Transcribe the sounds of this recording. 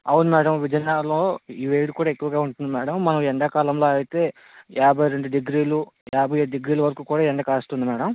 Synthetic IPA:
ɐwunumɛːɽɐmʋid͡ʒɐnːaːloːiʋeːɖukuːɽaːekːuʋɐɡaːuɳʈund̪imɛːɽɐmːɐnɐmɛɳɖɐkaːlɐmloːɐjit̪e̞ː | jaːbʱɐjɾeɳɖuɖiɡɾiːlujaːbʱɐjeːɖiɡɾiːlɐʋɐɾɐkuːkuːɽaːɛɳɖɐkaːst̪und̪imɛːɽɐm

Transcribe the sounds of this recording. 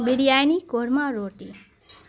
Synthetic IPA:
biɽijajnikoɾmaɾoʈi

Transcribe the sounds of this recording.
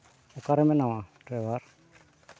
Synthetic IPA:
ukaɾemenawatewaɾ

